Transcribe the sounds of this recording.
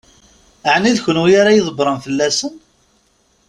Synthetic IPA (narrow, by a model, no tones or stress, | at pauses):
əʕniðçənwijaɾajəðˤəbɾˤənfəlːæsən